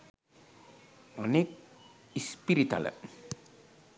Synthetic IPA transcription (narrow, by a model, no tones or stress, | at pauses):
ɔnek | ispiɾit̪a̰lə̰